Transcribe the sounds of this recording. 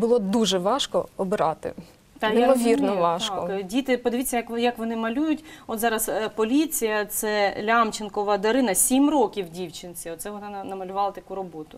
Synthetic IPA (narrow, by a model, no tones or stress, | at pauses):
bʊlˠɔd̪uʒɛʋɑʃkɔɔbɪɾɑt̪ɪ̰ | t̪ɑjɪmɔʋʲirnɔʋɑt̪ʃkaɔkdʲit̪ɪpɔd̪ɪʋʲitt͡sʲːɐjɐkjɐkʋɔnɪmɐlʲujʊtʲɔt̪zɑɾɐspɔlʲit͡sʲijɐt̪sɛlʲamt͡ʃɪnkɔʋɐd̪ɐɾɪnɐsʲimrɔkʲiwdʲiwt͡ʃɪnt͡sʲiɔt̪sɛʋɔnɑnnɐmɐlʲʊʋɑlˠɐt̪ɐkuɾɔbɔt̪ʊ